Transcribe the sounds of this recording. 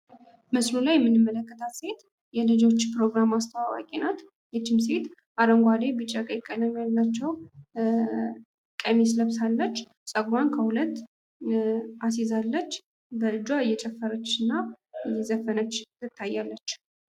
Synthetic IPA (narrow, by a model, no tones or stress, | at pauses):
məslulajɛmːɨnːɨmːələkːət̪ʰat̪se̞t̪ | jɛlɨd͡ʒo̞t͡ʃːpɾo̞ɡɾamast̪ʰəwawa̰kʼenat̪ | jɛt͡ʃːɪmse̞t̪ | ʔaɾəŋɡʷad̪ebɨt͡ʃʼːakʼəjkʼːələmjalːat͡ʃːɛw | kʼəmes̬ləβsalːət͡ʃː | sʼəɡɾankʰəhulət̪ː | as̬ezalːət͡ʃː | bəɨd͡ʒwaɨjːɛt͡ʃʼɛfːəɾət͡ʃːɨnːa | ɨjɛzəfənət͡ʃːɨt̪ʰːajːalːət͡ʃː